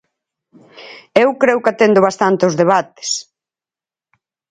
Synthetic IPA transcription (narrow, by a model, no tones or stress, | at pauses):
ewkɾewkat̪end̪ʊβ̞ast̪ant̪eʊzðeβ̞at̪ɪ̥s